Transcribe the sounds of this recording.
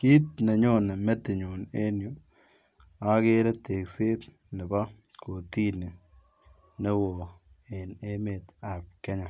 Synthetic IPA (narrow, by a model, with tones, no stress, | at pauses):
ki˦t̚ne˨ɲo˦ne˨me˦tɪ˨ɲu˨ne˦nju˨ | a˦ke˦ɾe˦te˨kseː˦t | nɪ˨ba˦kʰo˨ti˦ne˨ | ne˦wo˨e˨ne˦me˨t̪a˨p̚kɛ˦ɲa˨